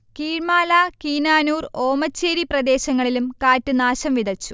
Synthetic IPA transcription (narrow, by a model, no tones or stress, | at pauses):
kiːɻmaːlaːkiːnaːnuːro̞ːmɐt͡ɕːeːɾiprɐd̪e̞ːɕɐŋːɐɭilumkaːtːunaːɕɐmʋid̪ɐt͡ɕːu̥